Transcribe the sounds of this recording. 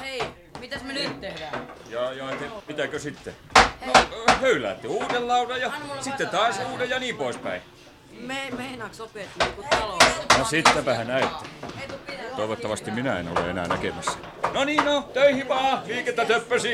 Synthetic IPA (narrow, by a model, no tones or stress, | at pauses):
e | mit̪æsntt̪ehæjɑjɑet̪emit̪ækøsit̪ːenohøylæ̰t̪ːiuːdellɑurɑjɑsit̪ːet̪ɑːsuːdejɑniːmpoispæ̰ĩ | emeinɑksopeˑt̪ːiokuɑlonosit̪ːæpæhænæyt̪ːe̥ | t̪oiʋot̪ːɑʋɑst̪iminæḛno̰lḛenæ̰ːnækemæsːæ̥ | noniːnnot̪øihiʋɑːliːket̪ːæt̪øpːøsi